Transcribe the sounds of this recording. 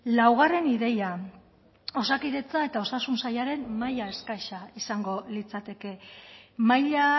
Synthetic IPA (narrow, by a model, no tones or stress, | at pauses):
lawɣ̞are̞niðe̞ja | o̞sakiðe̞t͡sae̞t̪ao̞sasunsajaɾe̞nmajae̞skajʃaisaŋɡo̞lit͡sat̪e̞ke̞majʎa